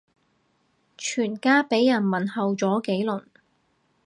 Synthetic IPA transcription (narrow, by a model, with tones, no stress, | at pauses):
t͡ʃʰyː˨˩nkaː˥pe˨˥jːɐ˨˩nmɐ˨˩nhɐ˨wt͡sɔː˨˥ke˨˥jlɵ˨˩n